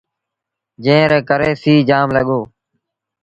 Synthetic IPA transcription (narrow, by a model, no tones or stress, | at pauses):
d͡ʒẽːɾẽːkəɾeːsiːd͡ʒaːmləɠoː